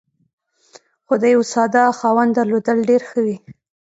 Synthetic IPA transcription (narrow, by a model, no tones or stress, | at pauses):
xod̪əjawsɑd̪ɑxɑwand̪d̪aɾlod̪əlɖeɾxəwi